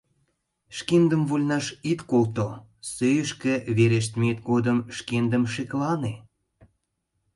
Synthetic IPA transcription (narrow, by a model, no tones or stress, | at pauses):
ʃkend̪ə̆mvulʲnɑʃit̪kolt̪osøjəʃkeβeɾeʃ̬t̪mʲet̪̚ɡod̪əmʃkend̪əmʃeklɑne